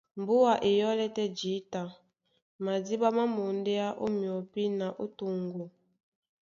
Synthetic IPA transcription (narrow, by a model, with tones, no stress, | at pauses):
m̩˨bu˦a˨ʔe˨jɔ˦lɛ˦tɛ˦d͡ʒi˨˦ta˨ | ma˨di˦ba˦ma˦mo˨ndɛ˦a˦ʔo̰˦mjɔ˨pi˦na˨ʔo˦to˨ŋɡo˨